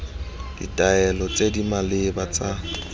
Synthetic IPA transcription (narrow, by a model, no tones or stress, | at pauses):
dḭtʼaɛlɔt͡sʼedimalɪbat͡sʼa